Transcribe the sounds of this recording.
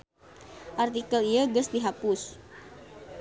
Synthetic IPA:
ʔart̪ikəlijəɡəsdiɦapʊs

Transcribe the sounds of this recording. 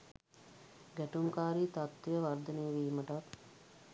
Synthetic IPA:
ɡæʈumkaːɾiːt̪at̪ːijəʋard̪əneːʋiːməʈat

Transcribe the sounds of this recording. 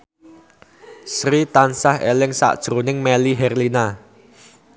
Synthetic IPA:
sɾit̪ansahelɪŋsa̰ʔd̥ʒ̥ɾo̤nɪŋmeliɦɛrlina

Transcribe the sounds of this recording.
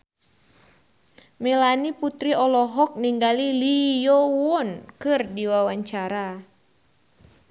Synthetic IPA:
mɛlaniput̪ɾiɔlɔɦɔk̚niŋɡalilijɔwɔnkɨrdiwawaɲt͡ʃaɾa

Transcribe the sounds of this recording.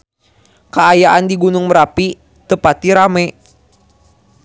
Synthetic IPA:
kəajaʔandiɡunʊŋməɾapi | t̪əpat̪iɾamɛ

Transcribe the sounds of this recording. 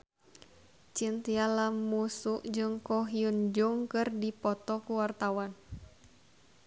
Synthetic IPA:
t͡ʃint̪ialamːusuʔd͡ʒɨŋkɔɦiund͡ʒuŋkɨrdipɔt̪ɔkuwart̪awan

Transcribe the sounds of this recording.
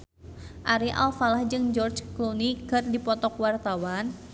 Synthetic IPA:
ʔaɾiʔa̰lfalahd͡ʒɨŋd͡ʒɔrt͡ʃklunikərdipɔt̪ɔkwart̪awan

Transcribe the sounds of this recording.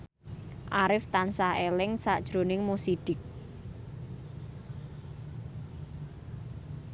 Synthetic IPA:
ʔaɾɪft̪ansaelɪŋsaʔd̥ʒ̥ɾo̤nɪŋmosid̥ɪk̚

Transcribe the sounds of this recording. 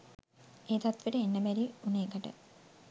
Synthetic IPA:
eːt̪at̪ʋeʈəenːəbæɾiuneːkəʈə̰

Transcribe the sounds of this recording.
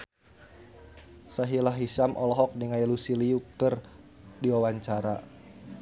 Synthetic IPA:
saɦilaɦisamʔɔlɔɦɔk̚niŋailusiliukər | diwawaɲt͡ʃaɾa

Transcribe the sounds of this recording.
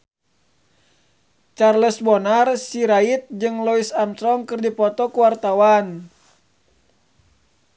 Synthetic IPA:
t͡ʃarlɛsbɔnarsiɾait̪̚d͡ʒɨŋlɔisamsɾɔŋkɨrdipɔt̪ɔkuwart̪awan

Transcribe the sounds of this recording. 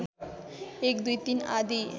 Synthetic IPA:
ekd̪ujt̪inad̪i

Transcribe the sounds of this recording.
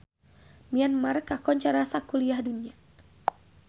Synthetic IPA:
mianmarkakɔɲt͡ʃaɾasakuliahdunia

